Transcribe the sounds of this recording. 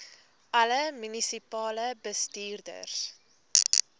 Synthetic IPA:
ʔɐləmynisipɑːləbəstiːrdə̰rs

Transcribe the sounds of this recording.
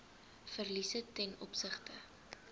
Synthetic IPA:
fərlisətɛnɔpsəχtə

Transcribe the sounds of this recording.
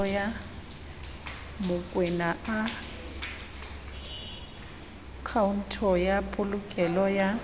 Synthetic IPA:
ɔja | mʊkʼwɛnaa | kʰaun̩tʰɔjapʼʊlʊkʼɛlɔja

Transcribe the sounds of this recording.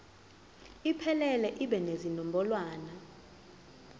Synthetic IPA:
ipʰɛlɛlɛʔiɓɛnezinɔmbʱɔlwaːna

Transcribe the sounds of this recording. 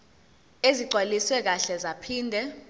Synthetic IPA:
eziǀʱwaliswɛk̬aɬɛzapʰiːndʱɛ

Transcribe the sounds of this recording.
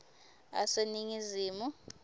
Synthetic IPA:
a̰seniŋiziːmu

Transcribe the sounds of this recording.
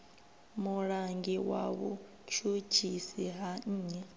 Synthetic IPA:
muɺaŋɡiwa̰βṵ | t͡ʃʰu̥d͡ʒ̥ʱisiɦaɲ̩ːɲɛ

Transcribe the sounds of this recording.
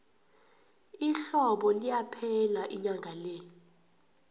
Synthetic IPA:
iɬɔɓɔlijapʰɛlaʔiɲaŋʱalɛ

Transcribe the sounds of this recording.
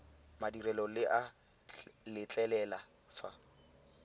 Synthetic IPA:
madirɛlɔlɪʔa | lɪt͡ɬʼɛlɛla | fa

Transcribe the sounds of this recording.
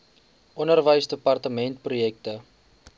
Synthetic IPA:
ʔɔnərvəjsdəpɐrtəmɛntprujɛk̚tə

